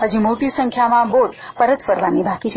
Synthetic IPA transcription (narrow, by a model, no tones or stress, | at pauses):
ɦəd͡ʒumoʈisə̃ŋkʰjamãboʈpəɾət̪fəɾʋanibʱakit͡ʃʰe